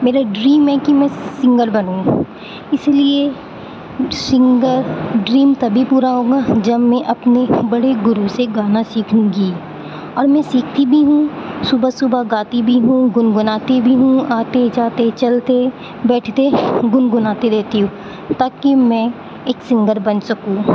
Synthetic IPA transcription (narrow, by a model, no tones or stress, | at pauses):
meːɾaɖɾiːmɛkimɛ̃sɪ̃ŋɡəlbɐnũːɡ | ɪslie | sɪ̃ŋɡəɾɖɾiːmt̪ɐbʱipuːɾaɦoːɡad͡ʒɐbmɛ̃ʔɐpnebɐɽeɡʊɾuseɡaːnasiːkʰũːɡi | ɔːɾmɛ̃siːkʰt̪ibʱiɦũsʊbəsʊbʱaɡaːt̪ibʱiɦũɡʊnɡʊnaːt̪ibʱiɦũaːt̪ed͡ʒaːt̪et͡ʃɐlt̪e | bɛːʈʰt̪eɡʊnɡʊnaːt̪eɾeːt̪iɦũː | t̪aːkimɛ̃ | eːksɪ̃ŋɡəɾbɐnsɐkũː